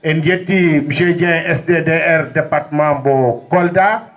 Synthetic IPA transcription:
ʔɛnjetːimiʃed͡ʒɛ̃ɛsdedeɛɾdɛpaɾtmãmbɔkɔlta

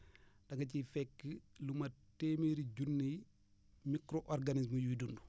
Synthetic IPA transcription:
d̥ɐŋɡɐcifɛkːəlumɐtemiɾiɟunːi | mikɾoʔɔrɡanismujudundu

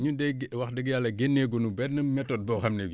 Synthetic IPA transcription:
ɲudeɡwaxdəɡjalɐɡenːeɡunubɛtnɐmɛtot̚bɔxɐmnebi

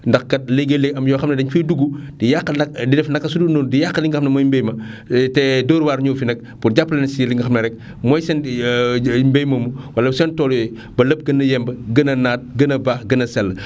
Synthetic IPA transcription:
ndɐxkɐt̚leɡeleɡɐmjɔːxɐmnɐdɐɲfiduɡudijakːəɐdidɛfnɐkːɐsudunoːndijakːəliŋɡxɐmnɐmɔjmbɛjmɐtɛdoːɾwaːɾɲɔfinɐk̚ | purɟapːəlɛnsiliŋɡɐxɐmnɐɾɛk̚ | mɔjsɛn | mbɛjmɐmuwɐlɐsɛntɔːljɔj | bɐləp̚ɡɐnɐjɛmbəɡənɐnaːt̚ɡənɐbaːxɡənɐsɛlːə

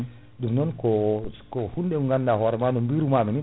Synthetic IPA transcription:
dumnɔnkɔkɔhundɛuŋɡandahɔɾɛmanɔmbiɾumamini

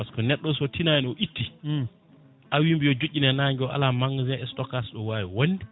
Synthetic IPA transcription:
askɔnɛɗːɔsɔtʰinajɛnɔʔitːi | ʔawimbijɔd͡ʒuʔːinɛnaːŋɡiɔʔa̰lamaŋzɛɛstɔkasɗɔwaːwiwonːdi

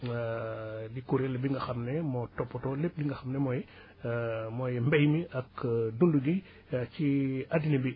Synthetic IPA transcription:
dikuɾelɛbiŋɡɐxɐmnɛmɔtɔpːɔtɔlep̚diŋɡɐxɐmnɛmɔjɛ | mɔjmbɛjmiʔɐkdunduɡi | ciadinebi

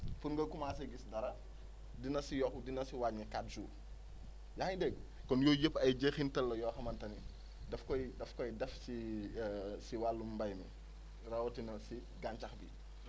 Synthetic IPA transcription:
funŋɡɐkumaːs̬ɐɡisdɐɾɐ | dinɐsijɔxdinɐsiwaɲɐkat̚suː | jadɛɡ | kɔnjoːjəpːɐjɟexintɐlːɐjɔːxɐmɐntɐni | dɐfkɔjdɐfkɔjdɛfsi | siwalːumbɐjmḭ | rɐwɔtinɐsi | ɡant͡ʃɐxbḭ

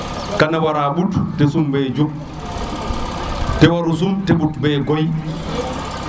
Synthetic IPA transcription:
kanawaɾaːɓuttɛsumbɛd͡ʒok | tɛwaɾus̬umteɓutbɛɡoj

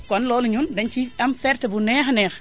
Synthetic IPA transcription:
kɔnlɔːluɲundɐnt͡ʃiɐmfɛɾtɛbunɛxnɛx

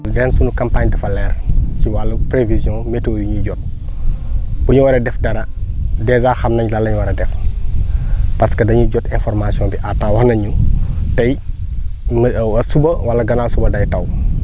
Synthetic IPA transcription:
dɛnsunukɐmpaːɲdɐfɐlɛːrciwalːɐpɾevizjɔ̃ːmetoːjiɲuɟɔt̚ | buɲuwɐɾɐdɛfdɐɾɐ | dɛzaːxɐmnɐɲlɐlːɐɲuwɐɾɐdɛf | pɐskɐdɐɲuɟɔtɛnfɔrmasiɔ̃nbiʔatːawɐhnɐɲutɐj | mwɐsubɐwɐlɐɡɐnaːlsubɐdɐjtɐw

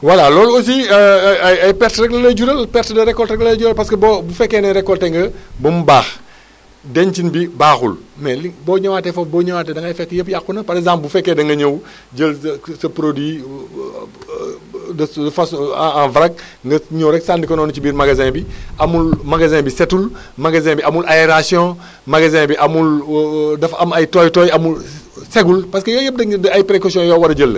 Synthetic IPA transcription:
walalɔːlos̬i | ɐjpɛɾtɾɛklɐlɐɟuɾɐlpɛɾtdɐɾɛkːɔltɾɛklɐɐɟuɾɐlpɐskɐbobufɛkːɛnɐɾɛkːɔlteŋɡɐbɐmubaːx | dɛnt͡ʃinbibaːxṵlmɛlibɔɲɐwaːtefɔp̚bɔːɲɐwaːtɛdɐŋɐjfɛk̚tjəpjakːunɐpɐɾɛzaːmpbufɛkːedɐŋɡɐɲow | d͡ʒəlsɐpɾodwi | dɐdɐfasãvɾɐk̚ŋɡɐɲowɾɛksaːndikɐnɔːnɐt͡ʃibiːɾmaɡazɛ̃ːbiɐmulmaɡazɛ̃ːbisɛtul | maɡazɛ̃biɐmulʔaeɾasiɔ̃ | maɡazɛ̃ːbiʔɐmuldɐfɐmɐjtɔːjtɔjɐmul | seɡulpɐskəjɔːjəp̚dɐdɐajpɾekosiɔ̃jɔːwɐdɐɟəlːə

